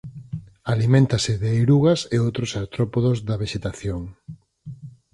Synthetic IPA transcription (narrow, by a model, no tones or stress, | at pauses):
alimẽnt̪asɪðeejɾuɣɐseowt̪ɾosast̪ɾɔpoðozðɐβ̞eʃet̪aθjoŋ